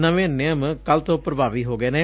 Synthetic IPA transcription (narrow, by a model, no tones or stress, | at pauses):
nəʋẽːnɪəmkəlt̪õːpɾəbaːʋiːɦoːɡɛːnẽː